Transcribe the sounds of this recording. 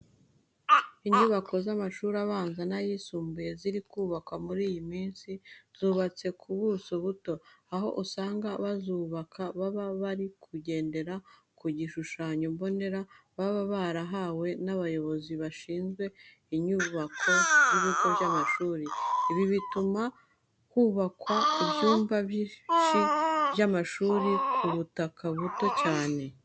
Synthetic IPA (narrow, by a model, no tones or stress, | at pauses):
iɲuβakʰo̞zamaʃuɾaβaːnzanajisuːmbuje̞ziɾikuːβakwamuɾiːjimiːnsiz̥uːβat͡se̞kʰuβusuβuto̞aɦo̞̰ʔusaːŋɡaβazuːβakʰaβaβaβaɾikʰuɟe̞ːnde̞ɾa | kuɟiʃuʃaːɲombo̞ne̞ɾa | βaβaβaɾaɦaːwe̞naβajo̞βo̞ziβaʃiːnzɡwe̞ | iɲuːβakʰo̞jiβiko̞βjamaʃuːɾiiβiβituma | kuːβakwaibjuːmbaβiʃiβjamaʃuːɾikʰuβutakʰaβuto̞caːne̞